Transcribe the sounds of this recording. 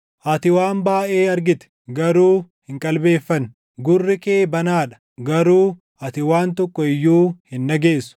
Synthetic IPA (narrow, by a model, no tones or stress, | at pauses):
ʔɐt̪ɪwaːmbaːʔe̞ːɐɾɡɪt̪ɛ̥ | ɡɐɾuːhɪŋkʼɐlbe̞ːfːɐn | ɡʊrːɪkeːbɐnaːᶑɐ̥ | ɡɐɾuː | ɐt̪ɪwaːnt̪ɔkːɔɪjːuːhɪnːɐɡe̞ːsʊ̥